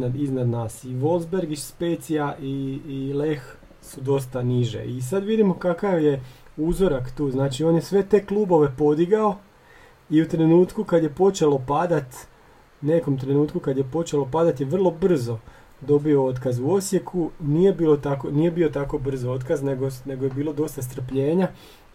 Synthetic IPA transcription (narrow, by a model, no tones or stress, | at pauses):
nad̪iznad̪naːsiʋo̞lˠzbe̞ɾɡit͡ʃspeːt̪siaʔile̞x | sud̪o̞st̪aniʒe̞̰isad̪ʋid̪imo̞kakaʋje̞uzo̞ɾakt̪uːznaːt͡ʃio̞ːnjesʋe̞t̪e̞kluːbo̞ʋe̞po̞d̪iɡao̞ | iut̪ɾe̞nuːt̪kukad̪je̞po̞t͡ʃe̞lo̞pad̪at̪ | ne̞ko̞mt̪ɾe̞nuːt̪kukad̪je̞po̞t͡ʃe̞lo̞pad̪at̪jeʋr̩lˠo̞br̩zo̞ | d̪o̞bio̞o̞t̪kazuo̞sje̞kʰunije̞biːlo̞t̪ako̞nije̞biːo̞t̪ako̞br̩zoo̞t̪kazne̞ɡone̞ɡojebiːlo̞d̪o̞st̪as̬t̪r̩pʎe̞ːɲa